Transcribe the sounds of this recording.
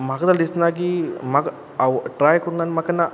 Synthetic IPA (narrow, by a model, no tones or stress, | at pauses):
mɐɡɐd̪ɐld̪isnaːɡimɐɡ | ɐʋʈɾaːjkuɽunːaːnmɐkːɐnːɐ